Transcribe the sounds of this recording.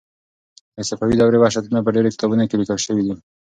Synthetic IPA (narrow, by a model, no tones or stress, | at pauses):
asafawid̪awɾebɑʃat̪mapəɖeɾekɪ̥t̪ɑbunokelikəlʃəwid̪i